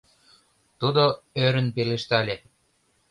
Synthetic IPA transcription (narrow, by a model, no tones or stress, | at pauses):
t̪ud̪o | øɾə̆npeleʃt̪ælʲe